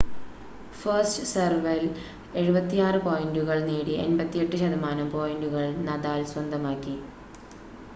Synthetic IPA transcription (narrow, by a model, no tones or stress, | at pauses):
fɐrstsɐrʋɐl | e̞ɻubɐt̪ːijaːrɨpo̞ːjinduɣɐɭneːɽienbɐt̪ːije̞ʈːɨɕɐðɐmaːnɐmpo̞ːjinduɣɐɭnɐðaːlswɐnd̪ʱɐmaːkːi